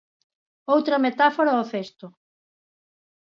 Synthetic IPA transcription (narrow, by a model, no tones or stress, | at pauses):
owt̪ɾɐmet̪afoɾaoθest̪o